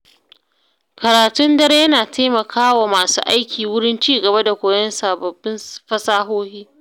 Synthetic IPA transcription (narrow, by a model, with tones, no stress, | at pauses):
kɐ˨ɾaː˨tʊ˦ndɐ˦ɾjɐ˦naː˨tʰeː˦mɐ˨kʰaː˦wa˨maː˨sṵː˦ʔa˦jkʲʰiː˨wʊ˦ɽɪ˦nt͡ʃiː˦ɡɐ˨ba˦da˨kʷoː˨jɐ˦nsaː˨bɐ˨bːɪ˦nɸɐ˦saː˦ɦoː˦hiː˦